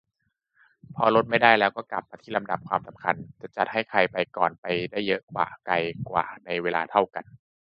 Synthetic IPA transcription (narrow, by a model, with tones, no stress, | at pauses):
pʰɔː˧lo˦˥t̪̚ma˥˩jda˥˩jlɛː˦˥wkɔː˥˩kla̰˨˩p̚maː˧t̪ʰiː˥˩la˧mda˨˩p̚kʰwaː˧msa˨˩mkʰa˧nt͡ɕa˨˩t͡ɕa˨˩t̪̚ɦa˥˩jkʰa˧jpa˧jkɔ̰ː˨˩npa˧jdaː˥˩jːɤ˦˥ʔkwa̰ː˨˩ka˧jkwa̰ː˨˩na˧jweː˧laː˧t̪ʰa˥˩wka˧n